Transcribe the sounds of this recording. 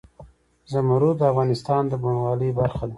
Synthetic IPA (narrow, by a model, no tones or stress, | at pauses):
zəmaɾud̪əafɣɑnɪst̪ɑnd̪əbunwɑləjbaɾxad̪a